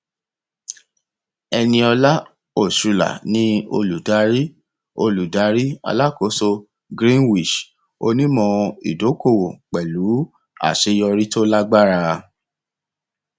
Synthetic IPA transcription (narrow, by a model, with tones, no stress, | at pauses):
ɛ˧nĩ˧ɔ˧la˦ | o˦˨sɾu˨˧la̰˨nĩ˦o̰˧lu˨da˧˦ɾi˦ | o˧lu˨da˨˦ɾi˦a̰˧la˦ko˨˦so˧ | ɡɾĩ˦nwi˦˨ʃ | o˧nĩ˦mɔ̃˧ḭ˨do˨˦ko˦˨wo˨k͡pɛ˨lu˨˦ | a̰˦˨ʃe˧jɔ˧ɾi˦to˦la˦ɡ͡ba˦ɾa˧